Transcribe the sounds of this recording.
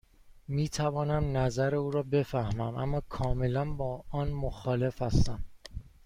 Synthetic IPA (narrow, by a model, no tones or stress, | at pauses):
miːt̪ʰævɒːnæmnæzæɾeuːɾɒːbe̞fæhmæmʔæ̰mːɒːkʰɒːme̞lænbɒːɒːnmoxɒːle̞fhæst̪æm